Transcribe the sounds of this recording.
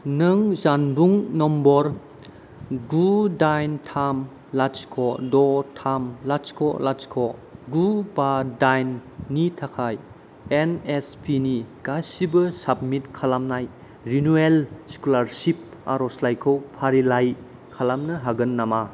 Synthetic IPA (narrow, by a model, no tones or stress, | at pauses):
nɐŋzanbuŋnɔmbɔɾ | ɡudajntʰam | lat͡ʃkʰɔdɔtʰamlat͡ʃkʰɔ̰lat͡ʃkʰɔɡubadajnːitʰakʰaj | enespʰiniɡasibɐsab̚mitkʰalamnaj | ɾinuelskulaɾsip̚a̰ɾɔslajkʰowpʰaɾilaj | kʰalamnɐɦaɡɐnːama